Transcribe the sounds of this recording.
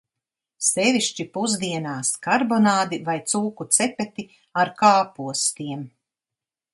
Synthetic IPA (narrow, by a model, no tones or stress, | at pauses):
seviʃt͡ʃipuzd̪iɛnaːskaɾbɔnaːd̪ivajt̪suːkut̪sɛpɛt̪i | aɾkaːpuɔst̪iɛm